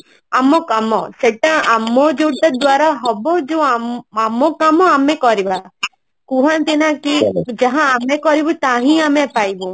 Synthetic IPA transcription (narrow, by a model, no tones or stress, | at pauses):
amɔkamɔseʈaamːɔd͡ʒoʈɔd̪waɾaɦɔbɔd͡ʒew̃aamɔkamɔamekɔɾiba | kũɦant̪inakid͡ʒaɦãːmekɔɾibɔt̪aɦĩamepajbũ